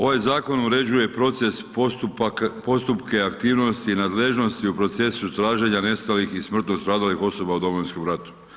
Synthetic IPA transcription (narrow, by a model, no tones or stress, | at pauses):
o̞ʋajzaːko̞nuɾe̞d͡ʑuje̞pɾo̞t̪ses | po̞st̪upke̞akt̪iːʋno̞st̪iːnaːd̪le̞ʒno̞st̪iupɾo̞t̪se̞sut̪ɾaːʒe̞ɲane̞st̪alixismr̩t̪nost̪ɾaːd̪alixo̞so̞baud̪o̞mojinskomɾat̪u̥